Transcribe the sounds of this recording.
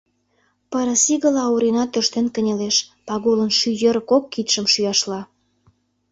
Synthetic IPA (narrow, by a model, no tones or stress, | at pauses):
pəɾə̆siɣə̆lɑuɾinɑt̪øʃt̪enkə̆nʲeleʃpɑɣolənʃyjəɾəkokːit̪ʃə̆mʃyjɑʃlɑ